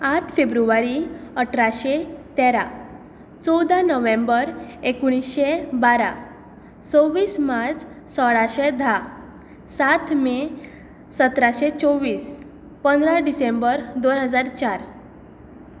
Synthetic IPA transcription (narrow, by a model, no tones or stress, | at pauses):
aʈʰfebɾuʋaɾiəʈʰɾaɕet̪eɾa | t͡sɔwd̪ʱanəʋẽmbəɾekuɽ̃isɕebaɾa̰ | t͡sɔʋiːsmaɾt͡s | sɔɽaɕed̪ʱa | sat̪ʰme | sət̪ɾaɕet͡sɔʋiːs | pənd̪ɾaɖisembəɾd̪onɦəd͡zaɾt͡ɕaɾ